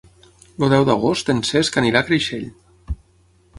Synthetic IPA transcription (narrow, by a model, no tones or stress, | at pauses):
luðɛwðəɣ̞ost̪enseskaniɾakɾiʃeʎ